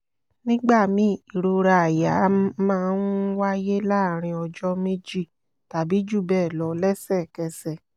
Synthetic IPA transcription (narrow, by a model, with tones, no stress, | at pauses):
nĩ˦ɡ͡ba˦˨mĩ˨˦i˨ɾo˧ɾa˧a˨ja˨˦mãː˦˧nwa˦je˦laː˦˨ɾ̃ĩ˧ɔ˧d͡ʒɔ˦me˦d͡ʒi˦˨ | ta˨bi˨˦d͡ʒu˦˨bɛː˦˨lɔ˨˦lɛ˦sɛ˦˨kɛ˧sɛ˨